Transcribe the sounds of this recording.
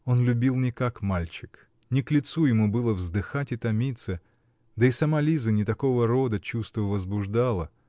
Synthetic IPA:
o̞nlʲʉbʲilˠnʲɪkakmalʲt͡ɕɪk | nʲɪklʲɪt̪sujɪmubɨlˠəvzd̪ɨxatʲɪt̪ɐmʲit̪sə | d̪əɪsɐmalʲizənʲɪt̪ɐko̞vəɾo̞d̪ət͡ɕust̪vəvəzbʊʐd̪alˠə

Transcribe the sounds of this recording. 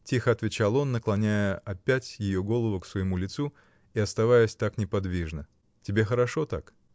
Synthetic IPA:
tʲixəɐt̪vʲɪt͡ɕalˠo̞nːəklˠɐnʲæjəʔɐpʲætʲjɪjo̞ɡo̞lˠəvʊksvəjɪmulʲɪt̪su | iɐst̪ɐvajəsʲt̪aknʲɪpɐd̪vʲiʐnə | tʲɪbʲe̞xəɾɐʂo̞t̪ak

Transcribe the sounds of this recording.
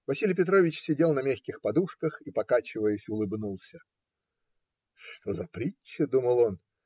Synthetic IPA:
vɐsʲilʲjpʲɪt̪ɾovʲɪt͡ɕsʲɪdʲe̞lˠnɐmʲaxʲkʲɪxpɐd̪uʂkəxipɐkat͡ɕɪvəjɪsʲʊlˠɨbnulˠsʲə | ʂt̪ozɐpɾʲit͡ɕt͡ʃːəd̪uməlˠo̞n

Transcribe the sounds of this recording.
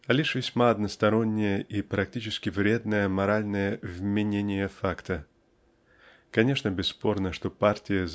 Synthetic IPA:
ɐlʲiʂvʲɪsʲmaɐd̪nəst̪ɐɾo̞nʲːɪjəʔipɾɐktʲit͡ɕɪskʲɪvɾʲe̞d̪nəjəmɐɾalʲnəjəvmʲɪnʲenʲɪjəfakt̪ə | kɐnʲe̞ʂnəbʲɪsːpo̞rnəʂt̪o̞partʲɪjəz

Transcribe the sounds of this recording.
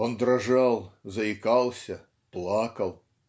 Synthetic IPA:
ond̪ɾɐʐalˠzɐɪkalˠsʲɐ | plˠakɐlˠ

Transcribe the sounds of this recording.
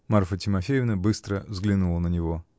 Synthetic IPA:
marfətʲɪmɐfʲejɪvnəbɨst̪ɾəvzɡlʲɪnulˠənənʲɪvo

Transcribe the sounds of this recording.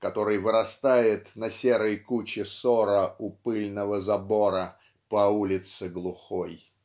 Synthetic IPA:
kɐt̪o̞ɾɨjvɨɾɐst̪ajɪt̪nɐsʲeɾəjkut͡ɕɪsoɾəʊpɨlʲnəvəzɐbo̞ɾə | pɐulʲɪt̪sɨɡlˠʊxoj

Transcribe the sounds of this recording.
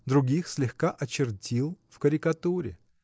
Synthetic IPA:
d̪ɾʊɡʲixsʲlʲɪxkaʔɐt͡ɕɪrtʲilˠfkəɾʲɪkɐt̪uɾʲɪ̰

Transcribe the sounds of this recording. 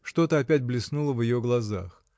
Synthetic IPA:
ʂt̪o̞t̪əɐpʲætʲblʲɪsnulˠəvjɪjoɡlˠɐza̰x

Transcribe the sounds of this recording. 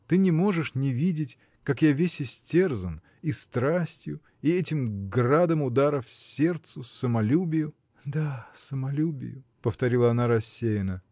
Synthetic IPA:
t̪ɨnʲɪmo̞ʐɨʂnʲɪvʲidʲɪtʲ | kakjavʲesʲɪsʲtʲe̞rzən | ist̪ɾasʲtʲjʊ | iɛtʲɪmɡrad̪əmʊd̪aɾəfsʲe̞rt̪sʊsəmɐlʲubʲɪjʊ | d̪asəmɐlʲubʲɪ̰jʊpəft̪ɐɾʲilˠəɐnaɾɐsʲːejɪnə

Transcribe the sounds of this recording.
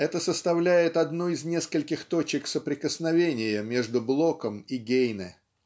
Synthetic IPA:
ɛt̪əsəst̪ɐvlʲæjɪt̪ɐd̪nuɪznʲe̞skəlʲkʲɪxt̪o̞t͡ɕɪksəpɾʲɪkəsnɐvʲenʲɪjəmʲe̞ʐd̪ʊblˠo̞kəmiɡʲejnɨ̰

